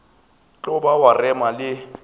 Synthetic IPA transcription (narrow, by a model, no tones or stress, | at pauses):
t͡ɬʼʊbawarɛmalɪ